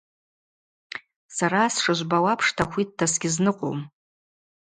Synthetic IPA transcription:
saɾaːsʂaʒʷbawapʰʂtʰaχʷit̚dasɡʲɪznɨqʼo̰wm

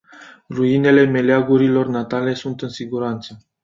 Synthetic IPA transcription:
ruine̞le̞me̞leaɡuɾilo̞rnat̪ale̞sunt̪ɨnsiɡuɾant̪sə

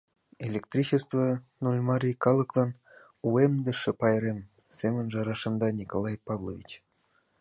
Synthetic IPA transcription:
elʲek̚t̪rʲit͡ɕest̪vonulʲmɑɾʲijkɑlˠɤklˠɑn | uemd̪ə̆ʃĕpɑjɾem | semə̆nʒɑɾɑʃə̆md̪ɑnʲikolˠɑjpɑvlˠovʲḭt͡ɕ

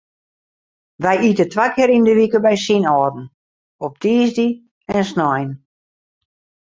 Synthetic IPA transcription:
ʋɛjitətʋakʰɪɾindəʋikəbɛjsinɔːdn̩ | ɔp̚tʰiːzdi | ɛnsnɔjn

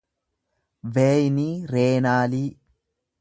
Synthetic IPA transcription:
ʋeːjniːɾeːnaːliː

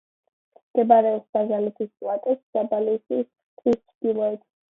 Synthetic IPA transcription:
ɡ̥ɛbaɾɛɔsaʒalit̪ʰistʼwat̪ʼɛsz̥abalisi | t̪ʰist͡ʃʰd̪̥ilˠɔɛt̪ʰs

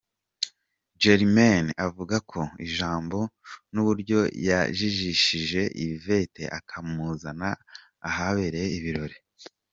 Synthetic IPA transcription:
d͡ʒeɾmanavuɡakʰo̞ḭʒaːmbo̞nuβuɾɟo̞ja̰ʒiʒiʃiʒe̞ʔive̞te̞ʔa̰kʰamuzanaː | ɦaβeɾeiβiɾo̞ɾe̞

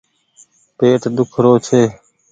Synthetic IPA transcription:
peːʈd̪ʊkʰɾoːt͡ʃʰeː

